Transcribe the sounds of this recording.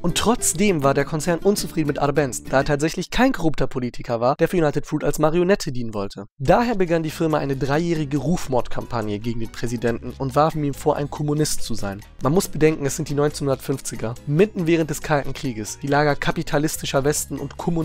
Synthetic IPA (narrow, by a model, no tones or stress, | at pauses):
ʔʊntːʁ̥ɔt͡sd̥eːmvaːɐdeːɐkʰɔnt͡sɛɐnʔʊnt͡sufʁ̥iːdn̩mɪtʔa̰ɾbɛnsd̥aːɐtʰaːtz̥ɛçlɪçkʰaɪnkʰɔʁʊptʰɐpʰoliːtʰɪkʰɐvaːɐd̥eːɐfɐjunaɪtətfuːta̰lsmaʁionɛtʰədiːnənvɔltʰəd̥aːheːɐbəɡandiːfɪɐmaʔa̰ɪnədʁaɪjɛːʁ̞ɪɡəʁuːfmɔɐtkʰampʰanjəɡeːɡŋ̩deːnpʁ̥ɛzidɛntn̩ʊntv̥aɐfm̩iːmfoːɐʔa̰ɪnkʰɔmunɪstt͡suza̰ɪn | manmʊsb̥ədɛŋkŋ̩ɛsz̥ɪnt̚d̥iːnɔʏnt͡senhʊndɐtfʏnft͡sɪɡɐmɪtn̩vɛːʁənt̚d̥ɛskʰaltn̩kʁ̥iːɡəsd̥iːlaːɡɐkʰapitʰalɪstɪʃɐvɛstn̩ʊ̰ntkʰɔmu